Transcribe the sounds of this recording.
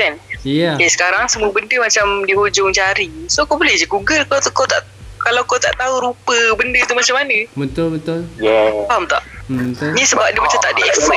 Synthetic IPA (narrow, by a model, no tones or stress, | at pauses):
ɛnjakasə̥kaɾaŋsəmũəbəndəmat͡ʃamdiod͡ʒʊŋt͡ʃaɾisokoʔbolɛhd͡ʒikuɡəkt̪kot̪a̰ʔ | kalawkot̪a̰ʔt̪auɾupəbəndət̪umat͡ʃamːanəbənt̪ʊlbət̪ʊljaamt̪a̰ʔbət̪onĩsəbp̚dəmat͡ʃamt̪aʔdiʔɛfɛ